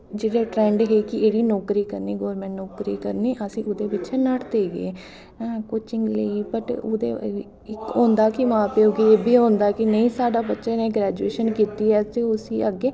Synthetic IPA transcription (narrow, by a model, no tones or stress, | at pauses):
d͡ʒeːɽeːʈɾɛ̃ːɳɖɦeːkɪeːɽiːnɔːkɾiːkəɾniːɡɔːɾmɛ̃ɳʈnoːkɾiːkəɾniːʔəsĩːʔʊd̪eːbɪt͡ʃʰenəʈd̪eːɡẽː | kot͡ʃɪ̃ŋɡlə̰iːpəʈʊd̪ḛː | ɪkoːnd̪aːkɪmãːpeːoɡieːbʱiːɦõːnd̪aːkɪnəĩːsaːɖaːbətːʃẽneːɡɾɛːd͡ʒueːʃənkiːt̪iːɛːt̪eːʊsiːʔəɡːeː